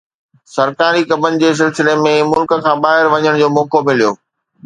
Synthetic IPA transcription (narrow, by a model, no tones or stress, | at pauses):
sɐɾkaːɾikɐbʱənɪ̆d͡ʑeːs̬ɪlsɪlemẽmʊlkə̆kʰãːbaːɦɪɾʋɐɲəɽ̃d͡ʑoːmõːkomɪlijo̰ː